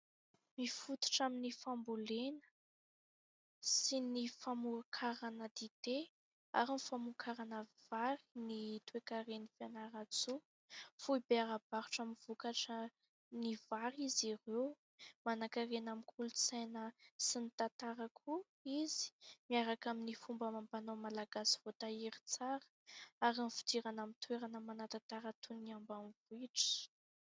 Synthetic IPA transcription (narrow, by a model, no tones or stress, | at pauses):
mifut̪u̥ʈ͡ʂaminifambulenə̥ | sinifamuakʰaɾanəd̪id̪e | a̰ɾinifamukʰaɾanəv̥aɾi̥nit̪uekaɾenifanaɾat͡su | fuibeaɾab̥aɾuʈ͡ʂaminv̥ukaʈ͡ʂə | nivaɾizirew | manakarenamikʰulut͡sajnəsinit̪at̪aɾakʰu | izi̥miaɾakaminifumbəmambanomalaɡasi̥v̥ot̪aiɾit͡saɾə̥ | aɾinfi̥d̪iɾanamit̪weɾanəmanat̪at̪aɾat̪uniambamvuiʈ͡ʂə̥